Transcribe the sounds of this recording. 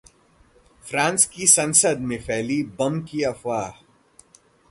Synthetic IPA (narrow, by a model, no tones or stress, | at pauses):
fɾãːnskisɐ̃nsəd̪mẽfɛːlibɐmkiɐfwaːɦ